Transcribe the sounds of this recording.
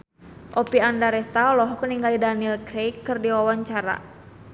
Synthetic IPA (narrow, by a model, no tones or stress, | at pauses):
ʔɔpiandaɾɛst̪aɔlɔɦɔkəniŋɡalidanilkɾejkːɨrdiwawaɲt͡ʃaɾa̰